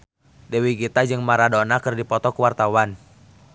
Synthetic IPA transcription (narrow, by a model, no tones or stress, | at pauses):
dɛwiɡit̪ad͡ʒɨŋmaɾadɔnakərdipɔt̪ɔkuwart̪awan